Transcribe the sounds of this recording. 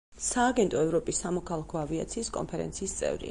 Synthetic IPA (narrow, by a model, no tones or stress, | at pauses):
saːɡɛnt̪ʼɔɛvɾɔpʼisːamɔkʰalˠakʰɔavia̰t̪sʰiːskʼɔ̰npʰɛɾɛ̰nt̪sʰiːst̪sʼɛ̰vɾḭa̰